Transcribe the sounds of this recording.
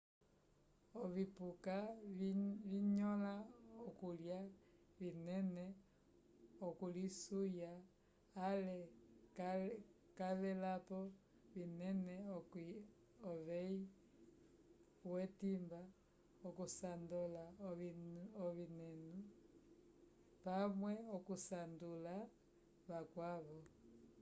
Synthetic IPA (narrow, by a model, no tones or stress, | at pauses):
oβipuka | βiɲɔlaokulja | βinɛnɛ | okulisujaː | lɛ | kaβɛlapɔ | βinɛnɛok | oβei | wetimba | okusandola | oβinenu | pamweokusandula | βakwaβo